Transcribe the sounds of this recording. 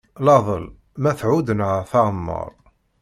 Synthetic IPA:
lɑðˤə̰l | mæθʕud̪ənʕaθɑʁəmːə̰ɾˤ

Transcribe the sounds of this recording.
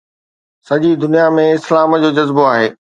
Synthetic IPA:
sɐd͡ʑid̪ʊnijamẽɪslaːmd͡ʑoːd͡ʑɐzboaːɦeː

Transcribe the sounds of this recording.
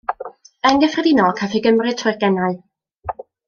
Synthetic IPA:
ɛŋɡɛfrɛdinɔkʰafiɡəmrɨtʰrʊrɡɛnaɨ

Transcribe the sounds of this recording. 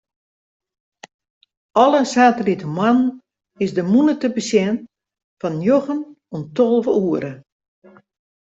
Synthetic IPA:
ɔlˠəsaːtəlitəmwann | ɪsdəmunətəbəsjɛn | fɔnjoxən | ontolˠvəuəɾə

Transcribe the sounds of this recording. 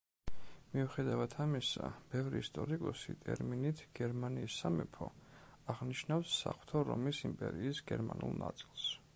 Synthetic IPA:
miuχɛd̪avat̪ʰamisab̥ɛvɾiːst̪ʼɔɾikʼɔsḭt̪ʼɛɾminit̪ʰɡ̥ɛɾmaniːsːamɛpʰɔaʁniʃnafsːa̰χw̥t̪ʰɔɾɔ̰misimpʼɛɾiːsɡɛɾmanulˠna̰t̪sʼilˠs

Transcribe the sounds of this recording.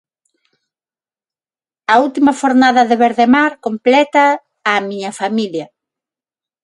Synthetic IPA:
ɐult̪imɐʃoɾnaðɐðeβeɾðemaɾkomplɛt̪ɐː | miɲɐfamiljɐ

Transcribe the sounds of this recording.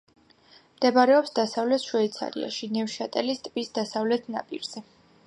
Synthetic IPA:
md̪̥ɛbaɾɛɔpsd̪asavlɛt̪ʰʃwɛit̪sʰa̰ɾḭa̰ʃinɛvʃat̪ʼɛlist̪ʼbisd̪asavlɛt̪ʰna̰pʼḭɾz̥ɛ

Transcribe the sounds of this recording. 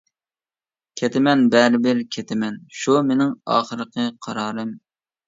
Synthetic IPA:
kʲʰet̪ɪmɛnbɛɾɪbɪɾkʲʰet̪ʰɪmɛnʃumenɪŋɑ̰ːχəɾɨqʰəqʰɑɾɑːɾɨm

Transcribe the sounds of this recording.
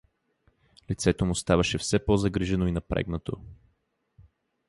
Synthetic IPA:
lit̪sɛt̪omʊst̪avɐʃɛfsɛpɔzɐɡɾiʒɛnoinɐpɾɛ̰ɡnɐt̪o

